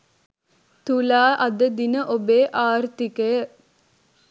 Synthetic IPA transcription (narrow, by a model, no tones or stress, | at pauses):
t̪ulaːʔɐd̪əd̪inəʔobeːʔaːrt̪ikəjə